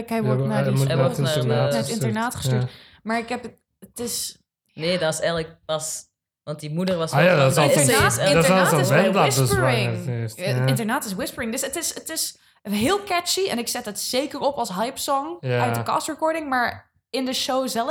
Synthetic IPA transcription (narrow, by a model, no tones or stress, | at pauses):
kɛjʋɔɹnaɔnanəɪnəɹnaːtχəstyːt | maːɹɪkɦɛp | ətɪs | neːdɔsɛjələk̚pɑs | ʋɑntdimudəɹʋɑsojaːdɔəɪdaːsɪsɛndasəspəɹɪŋsɪntəɹnaːtɪswɪspəɹɪŋdøsətɪsətɪs | ɦɪːlˠkɛt͡ʃiɛ̰nɪksɛtətsejkəɹɔpɑlˠsɦajpsɔŋjœɥdəkɑ̰stɹəkɔɹdɪŋmaːɹ | ɪndəʃowzɛlˠ